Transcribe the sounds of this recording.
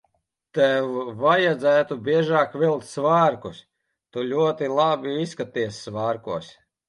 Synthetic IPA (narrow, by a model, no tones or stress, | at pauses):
t̪ɛwvajad̪zæːt̪ubʲiɛʒaːkvilˠk̚t̪ʲsvaːɾkus | t̪ulʲuɔt̪ilˠabʲiiskat̪ːiɛsʲːvaːɾkuɔs